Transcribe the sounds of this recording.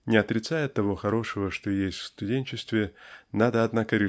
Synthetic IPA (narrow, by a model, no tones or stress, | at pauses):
nʲɪɐt̪ɾʲɪt̪sajɪt̪ːɐvo̞xɐɾo̞ʂəvəʂt̪ojesʲtʲfst̪ʊdʲenʲt͡ɕɪst̪vʲɪnad̪əɐd̪nakəɾʲɪ